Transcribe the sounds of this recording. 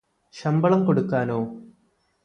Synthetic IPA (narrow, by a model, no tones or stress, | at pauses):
ɕɐmbɐɭɐmko̞ɽukːaːnoː